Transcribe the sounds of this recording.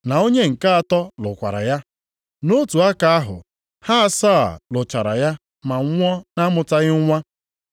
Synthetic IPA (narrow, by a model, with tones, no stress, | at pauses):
na˨o˦ɲe˦ŋ̩˨ka˦a˨tɔ˦lʊ˨kʷa̰˨ɾa̰˨ja˦ | no˦tu˨a˦ka˨a˦ɦʊ̰˨ | ha˦saː˦˨lʊ˨t͡ʃa˨ɾa̰˨ja˦ | ma˨ŋ˦ŋʷɔ˦na˦mʊ˨ta˦ɣɪ˦ŋ˦ŋʷa˦